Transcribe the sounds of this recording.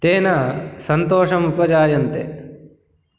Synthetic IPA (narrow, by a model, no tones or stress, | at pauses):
t̪eːnɐsɐnt̪ɔːʂɐmupɐd͡ʒaːjɐnt̪ḛ